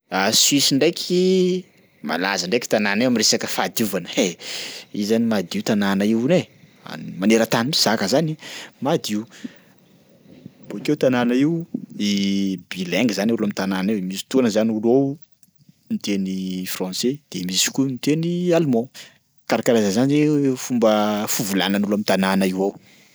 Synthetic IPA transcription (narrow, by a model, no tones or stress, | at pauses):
aswisiɳɖ͡ʐejkʲʰi | ma̰la̰zəɳɖ͡ʐajki̥t̪ananewamiresakəfad̪iuvanəe | izanimad̪iwt̪ananaiwne | a̰maneɾət̪animiz̥akəzanimad̪iw | bokeut̪ananaiwibilɛŋɡzanulamit̪ananimisi̥t̪onəzaniulow | mit̪enifrɑ̃sed̪̥emisi̥kʲumit̪enialmɔ̃ | kaɾakaɾazazanizefumbəfuvulananulamit̪ananaiwaw